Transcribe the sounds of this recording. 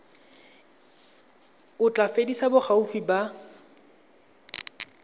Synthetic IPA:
ʊt͡ɬʼafedisabʊχaufiba

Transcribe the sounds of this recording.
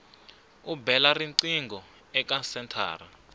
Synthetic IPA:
ubɛlariǀiŋɡʱɔ | ɛk̬ʼasɛntʰa̰ːra

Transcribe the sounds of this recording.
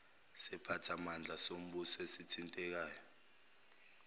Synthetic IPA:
sɛpʰatʰamand͡ɮʱasom̩ɓusɔesitʰintʼɛk̬aːjɔ

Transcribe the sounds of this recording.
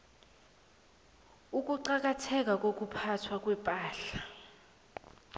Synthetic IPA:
uk̬ʼuǃak̬ʼatʰɛk̬ʼak̬ʼok̬upʰatʰwak̬ʼwɛpʼaːɬa

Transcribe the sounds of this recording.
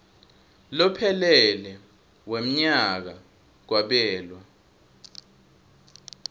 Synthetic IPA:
lɔpʰɛlɛlɛ | wem̩ɲaak̬a | k̬waɓɛːlwa

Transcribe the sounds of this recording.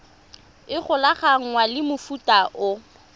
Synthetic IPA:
ɪχʊlaχaŋ̩ŋwalɪmʊfutʼaʔʊ

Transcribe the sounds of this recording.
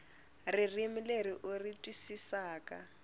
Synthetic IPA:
ririmileriʔʊritʼwisisaːka

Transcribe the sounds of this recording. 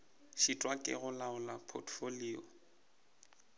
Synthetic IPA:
ʃitʼwakʼɪ̰ɣʊlaʊlapʰɔtʰfoliːɔ̰

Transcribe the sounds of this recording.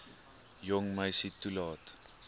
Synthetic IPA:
jɔŋməjsitːulɑːt

